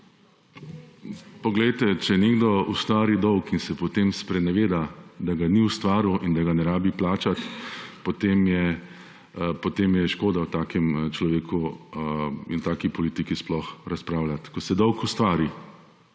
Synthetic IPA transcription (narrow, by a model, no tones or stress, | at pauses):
pɔɡlɛjt̪ɛt͡ʃɛneːɡd̪ɔust̪ʋaːɾid̪ɔwkinsɛpɔt̪eːmspɾɛnɛʋeːd̪ad̪aɡaniust̪ʋaːɾuʔind̪aɡanɛɾaːbiplaːt͡ʃat̪pot̪eːmjɛ | pɔt̪eːmjɛʃkoːd̪awt̪aːkɛmt͡ʃlɔʋeːkʰu | ḭnt̪aːkipɔliːt̪ikisplɔxɾaspɾaːʊlat̪kɔsɛd̪ɔwkust̪ʋaːɾi